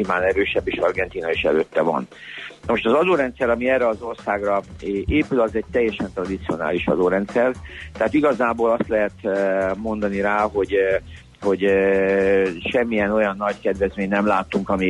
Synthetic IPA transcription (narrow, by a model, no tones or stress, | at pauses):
ivaːnɛɾøːʃɛbːeːʃɒrɡɛnt̪iːnɒeːʃɛ̰lø̰ːt̪ːɛvɒ̰n | nɒmoʃt̪ɒzɒd̪oːɾɛnt̪sɛɾɒmiɛːrːɛɒzo̞rsaːɡrɒʔeːpylɒzɛɟ̚t̪ɛjːɛʃɛnt̪rɒd̪it̪sio̞na̰ːliʃɒ̰d̪oːɾɛnt̪sɛrt̪ɛɦaːt̪iɡɒzaːboːlɒst̪lɛɦɛt̪mo̞nd̪ɒniɾaːɦo̞ɟ | ho̞ɟ | ʃɛmːijɛno̞jɒnːɒɟkɛd̪vɛzmeːɲnɛmlaːt̪ːuŋkɒmi